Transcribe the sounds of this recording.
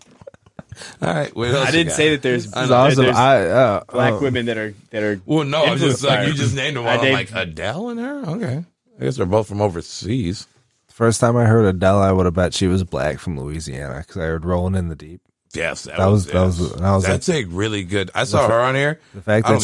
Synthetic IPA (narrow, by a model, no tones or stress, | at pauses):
ɔ̰ɹaɪt̚wɪɛɪdɪdⁿnseɪðɨt̪̚ðə˞zzsaɪʌb̥læwɪ̃mɨ̃nðɨɾə˞ðɨɾə˞wɛlˠnoʊ̃ɪ̃md͡ʒʌaɪjɨd͡ʒʌsnẽɪ̃məwʌ̃elaɪkɨdɛlˠə̃nə˞oʊkʰeɪ | aɪɡɛsðə˞boʊθfɹʌ̃moʊvə˞siz̥ | ðəfɜ˞stʰãɪ̃maɪɦɜ˞ɾɨdɛlˠaɪwʌɾəbaʊtʃiwʌzblæ̰kfɹʌ̃mlṵiziæ̰nɨ̰kʰʌzaɪhɜ˞d̚ɹoʊlˠɪ̃ŋɨ̃nðɨdip̚ | jæ̰ðət̚wʌzðət̚wʌzðət̚wʌzætsekɹɪlˠiɡʊda̰ɪsɔə˞ə̃nhiɹðɨfæk̚ðɨ